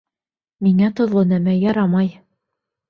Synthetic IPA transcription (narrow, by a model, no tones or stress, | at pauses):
miŋæt̪ŏðlˠonæmæjɑɾɑmɑj